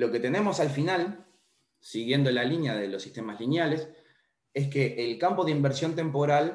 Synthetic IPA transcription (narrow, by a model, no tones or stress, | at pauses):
lo̞ke̞t̪e̞ne̞mo̞salfinal | siɣje̞nd̪o̞lalinjaðelo̞sːiht̪e̞mazlinjales | eskeʔːlkampo̞ðeimbeɾsjo̞nt̪e̞mpo̞ɾal